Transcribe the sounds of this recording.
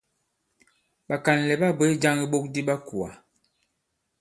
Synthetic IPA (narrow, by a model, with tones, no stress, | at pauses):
ɓa˨ka˨n˨lɛ˨ba˦bə˦d͡ʒa˦ŋi˦ɓo˦k̚di˦ɓa˦ku˨a̰˨